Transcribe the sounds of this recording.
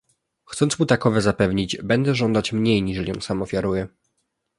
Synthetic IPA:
xt̪sɔnt̪smut̪akɔvɛzapɛvɲid͡ʑbɛnd̪ɛʐɔnd̪at͡ɕmɲejɲiʐɛlʲiɔ̰̃nsamɔfʲjaɾujɛ

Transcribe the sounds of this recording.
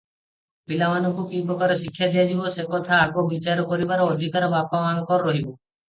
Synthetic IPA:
pilamanɔkukipɾɔkaɾɔʃikʰːjad̪ijad͡ʒibɔsekɔt̪ʰaːɡɔbit͡ʃaɾɔkɔɾibaɾɔːd̪ʱikaɾɔbapamanɔkɔɾːɔɦibɔ

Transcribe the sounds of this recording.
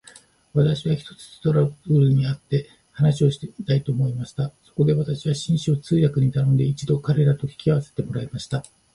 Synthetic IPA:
βat̪aɕiβaçi̥t̪o̞̥t͡sɨ̥st̪o̞ɾabɯɾɯ̟ɲ̟iat̪ːe̞ | hanaɕio̞ɕi̥t̪et̪ait̪o̞ːmo̞imaɕi̥t̪aso̞ko̞d̪e̞βat̪aɕiβaɕĩɰ̃ɕio̞t͡sɨːjakɯ̟ɲ̟it̪anõ̞nd̪e̞it͡ɕid̪o̞kaɾe̞ɾat̪o̞çʲi̥kʲiaβase̥t̪e̞mo̞ɾaimaɕi̥t̪a

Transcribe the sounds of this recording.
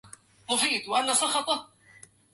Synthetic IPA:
mʊfiːt̪waʔanːasˤɑxɑt̪ˤɑ

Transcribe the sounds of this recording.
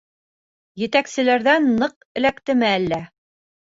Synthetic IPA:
jɘ̆t̪æksɘ̆læɾðænːɤq | ɘ̆lækt̪ɘ̆mæælːæ

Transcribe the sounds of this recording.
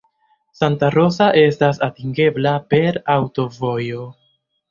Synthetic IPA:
santaɾo̞saʔe̞stasatiŋɡe̞blape̞ɾawto̞vo̞jo̞

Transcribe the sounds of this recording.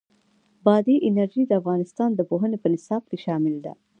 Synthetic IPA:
bɑd̪iʔɪnaɾʒid̪əafɣɑnɪst̪ɑnd̪əpoɦənepənɪsɑb̚keʃɑmɪld̪a̰

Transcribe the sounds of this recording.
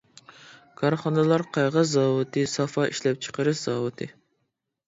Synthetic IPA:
kʰɑɾχɑnɨlˠɑɾqʰɑjʁəzɑːwɨt̪ʰɨsɑfɑʔiʃlɛp̚t͡ʃʰə̥qəɾɨʃz̥ɑːwɨt̪ʰɨ

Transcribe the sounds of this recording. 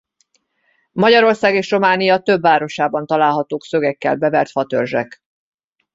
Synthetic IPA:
mɒɟɒɾo̞rsaːɡeːʃro̞maːnijɒt̪øbːaːɾo̞ʃaːbɒn̪t̪ɒlaːlɦɒt̪oːksøɡɛkːɛ̰lbɛvɛrt̪fɒt̪ørʒɛ̰k

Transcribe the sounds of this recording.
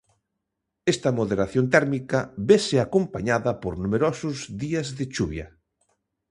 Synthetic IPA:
ɛst̪ɐmoðeɾaθjont̪ɛɾmikɐβesɪakompaɲaðɐpoɾnumeɾɔsʊzðiɐzðɪt͡ʃuβjɐ

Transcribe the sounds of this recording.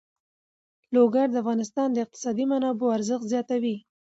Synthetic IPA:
loɡaɾd̪əafɣɑnɪst̪ɑnd̪əɪq̚t̪ɪ̥sɑd̪imanɑboaɾzəxt̪zjɑt̪awi

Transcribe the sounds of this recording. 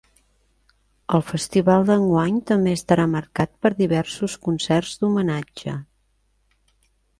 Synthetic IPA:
əlˠfəst̪iβalˠd̪əŋɡwaɲt̪əmbeəst̪əɾaməɾkat̪̚pəɾðiβɛrsuskunsɛrzd̪umənad͡ʒə̰

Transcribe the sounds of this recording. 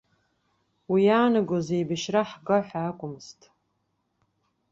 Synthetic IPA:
wijaːnɨɡozejbɨʃraħɡaħʷᶣaːkʷʼʊmstʼ

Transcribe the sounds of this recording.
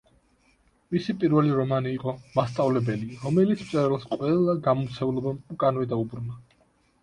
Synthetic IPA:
misipʼiɾvɛliɾɔmaniːqʼɔmast̪sʼavlɛbɛliɾɔmɛlit̪sʰmt̪sʼɛɾɛlˠsqʼwɛlˠaɡamɔmt̪sʰɛulˠɔbakʼanvɛd̪aubɾuna

